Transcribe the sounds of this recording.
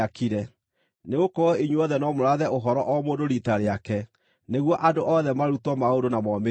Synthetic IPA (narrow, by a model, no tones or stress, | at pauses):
akiɾɛ | neɣokɔɔiɲweɔðɛnɔmoɾaðɛoɦɔɾɔʔɔmoːdoɾitaɾeakɛ | neɣwɔʔadoʔɔðɛmaɾutwɔmaodonamɔme